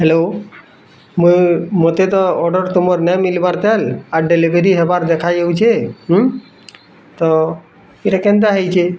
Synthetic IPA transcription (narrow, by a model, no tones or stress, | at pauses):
ɦelo | mumot̪et̪ɔɔɖəɾt̪umɔɾnɛmilbaɾt̪ɛlaɾɖelibʱeɾiɦebaɾd̪ekʰad͡ʒeut͡ʃʰeɦ | t̪ɔ | iɾakẽnd̪aɦejt͡ʃʰe